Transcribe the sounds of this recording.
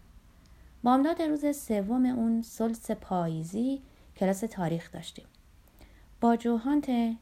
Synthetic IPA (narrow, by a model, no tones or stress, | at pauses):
bɒːmd̪ɒːd̪eɾuːzesevːomeʔunsolse̞pʰɒːjiːziː | cʰelɒːse̞t̪ʰɒːɾiːxd̪̥ɒ̰ːʃt̪iːm | b̥ɒːd͡ʒoɦɒːnt̪ʰe